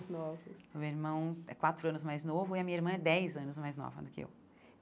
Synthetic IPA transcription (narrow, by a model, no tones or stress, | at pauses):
znɔvɐsmewiɾmɐ̃w̃ɛ̰kwat̪ɾʊɐ̃nʊzmajznovʊɪɐmĩɲɪiɾmɐ̃ɛd̪ɛjzɐ̃nʊzmajznɔ̰vɐ̰d̪ʊkɪḛw